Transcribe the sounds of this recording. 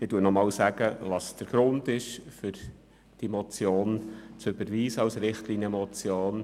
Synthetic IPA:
ɪduənɔmɑːwsæɡ̥əʋɑsd̥əɾɡ̥ɾʊnd̪ɪʃfʏɾ | d̥iemɔt͡sjoːnt͡søbəɾʋiːsəɑwsɾɪχtlinəmɔt͡sjoːn

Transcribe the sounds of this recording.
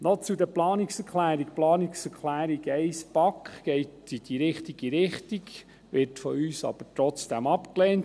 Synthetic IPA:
nɔt͡sud̪ɛɾplɑːniksɛɾkχlæːɾik̚plɑːniksɛɾkχlæːɾiɡɛɪspɑkχɡɛɪtid̥̪iɾɪχtiɡ̥iɾɪχtiɡ | ʋɪɾtfɔyːsɑ̰b̥əɾtɾɔt͡sd̥æmɑpklɛːnt

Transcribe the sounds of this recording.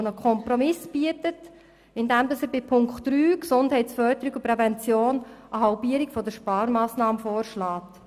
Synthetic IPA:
nəkʰɔmprɔmɪsb̥iətət | ɪndɛmdɑsəbɪpʰʊŋkχtːryːksʊnd̥hɛɪtsfœɾdəɾiɡʊpɾɛvɛnt͡sjoːnʔəɦɑlpiəɾɪkfɔdəʃpɑːɾmɑːsnɑːməfɔːrʃlaːt

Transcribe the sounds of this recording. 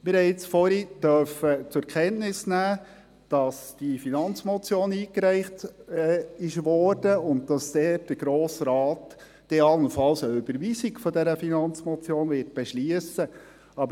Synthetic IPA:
mɪɾhɛjɪt͡sfɔɾidœɾfət͡sʊɛkʰɛntnɪsnæː | d̥ɑsd̥ifinɑnt͡smɔt͡sjoːniːkɾæɪχtː | ɪʃʋɔɾd̥əʊntd̥ɑsd̥ɛːt̚d̥əɡ̥ɾoːsɾɑːtː | eɑlnəfɑlsəʉbəɾʋiːsikfɔdɛɾəfinɑnt͡smɔt͡sjoːnvɪːɾt̚b̥ɛʃliəsə | ɑb

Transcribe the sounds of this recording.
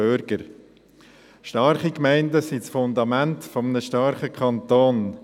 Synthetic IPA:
øɾɡ̥əɾ | ʃtɑɾχikmæɪndəsit͡sfʊndɑmæntfɔmənəʃtɑɾχəkʰɑntoːn

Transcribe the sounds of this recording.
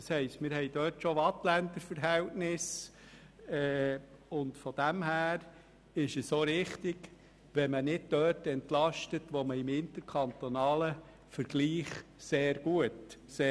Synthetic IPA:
ɑshɛɪstmɪɾhɛɪd̥œːtʃoʋɑtlænd̪əɾfəɾɦɛltnɪs | ɛːʊndfɔd̥æmhæːɾ | ɪʃəssoːɾɪχtɪɡ | ʋɛmənɪd̥̚d̥œːtɛntlɑʃtətʋoməɪmɪnt̪əɾkʰɑnt̪onɑːlə | fəɾɡ̥liːχseːɾɡuətseː

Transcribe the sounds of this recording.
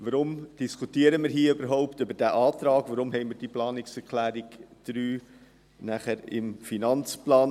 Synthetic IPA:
ʋəɾʊmd̥ɪskʰutiəɾəmɪːɾɦiːəybəɾɦɔʊptøbəɾdæːʔɑːt̪ɾɑːkʋəɾʊmɦɛɪmiːd̥iplɑːnɪksɛɾkʰlæːɾɪɡd̥ɾyː | næχæɾɪ̰mfinɑnt͡splɑːn

